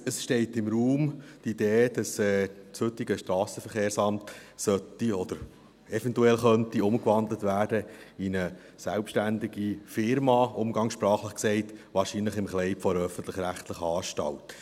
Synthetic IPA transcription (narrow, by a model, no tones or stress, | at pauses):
əsʃtɛɪtɪmɾuːmtid̥̪eːd̥ɑsɛːthɵt̪ːiɡəʃtɾɑːsəfəɾχeːɾsɑmt̪sœtiɔd̥̪əɾ | ɛfɛntuɛlχœntiʊmkʋɑndlət̪ʋæːɾd̥əinə | sælpʃtændiɡifɪɾmɑʊmɡɑŋsʃpɾɑːχləχksɛɪtʋɑːɾʃinləχɪmχlɛɪpfɔɾœfən̩t̪ləχɾæχt̪ləχəɑːʃtɑ̰lt